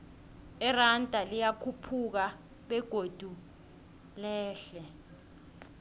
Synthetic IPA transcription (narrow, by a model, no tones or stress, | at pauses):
ɛrantʼalijakʰupʰuk̬a | ɓɛɡ̥ʱod̥ʱu | lɛːɬɛ